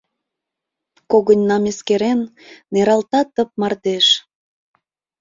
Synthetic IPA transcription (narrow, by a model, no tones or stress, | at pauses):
koɣənʲnɑmeskeɾenːeɾɑlt̪ɑt̪əp̚mɑrd̪eʃ